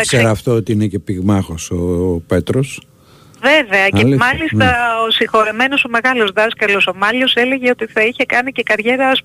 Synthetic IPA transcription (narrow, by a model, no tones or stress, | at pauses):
θɐsseɾɐːft̪oot̪iinece̞piɣmɐxosope̞t̪ɾos | ve̞ve̞ɐcelmɐlist̪ɐosiŋxo̞ɾeme̞no̞so̞me̞ɣɐlo̞zðɐskɐlo̞so̞mɐʎo̞se̞le̞ʝeo̞t̪iθɐiçe̞kɐnice̞kɐɾʝe̞ɾɐs